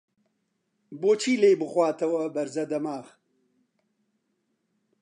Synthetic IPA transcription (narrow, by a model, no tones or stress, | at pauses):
boːt͡ʃʰiːleːjbɨxwaːt̪ɐwɐbɐɾzɐd̪ɐmaːx